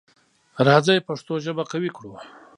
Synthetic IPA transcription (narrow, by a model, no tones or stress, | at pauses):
ɾɑd͡zajpaʂt̪oʒəbakawikɽu